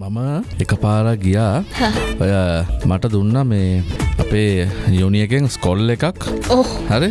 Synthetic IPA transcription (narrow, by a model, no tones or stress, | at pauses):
maməekəpaːɾaɡijaːhajmaʈəd̪unːameːa̰peːjunijekeŋskolekakoːhaɾe